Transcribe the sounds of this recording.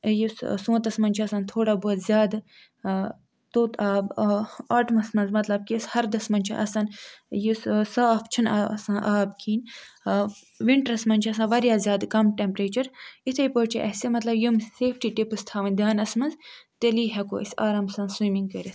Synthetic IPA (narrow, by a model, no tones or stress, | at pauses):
jussõːt̪ɐsmɐnʲt͡ʃʰɐsãːnt̪ʰoːɽaːboɐt̪zʲjaːd̪ | t̪oːt̪ʰaːbaːʈmɐsmɐnzmɐt̪lɐb̚kishɐɾd̪ɐsmɐnʲt͡ʃʰḭʔɐsɐnjussaːft͡ʃʰunasãːnʔaːbkʰiːn | ʋiɳʈɾɐsmɐnʲt͡ʃʰɐsãːʋɐɾjaːzʲjaːd̪kɐmʈempɾeːt͡ʃɐɾit̪ʰepoːt͡ʃʰḭʔɐsemɐt̪lɐbjumseːfʰʈiːʈipɨst̪ʰaːʋɐnʲd̪aːnɐsmɐnzt̪eliːɦɐko̰ːɐ̰sʲaːɾaːmsɐ̃nswimĩŋɡ̚kɐɾʲes